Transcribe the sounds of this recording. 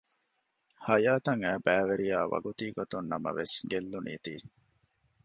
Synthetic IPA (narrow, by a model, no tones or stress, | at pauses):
hɐjaːt̪ɐŋæːbæːʋeɾijaːʋɐ̰ɡut̪iːɡot̪unːɐmɐ̰ʋesɡelːunḭːt̪ḭː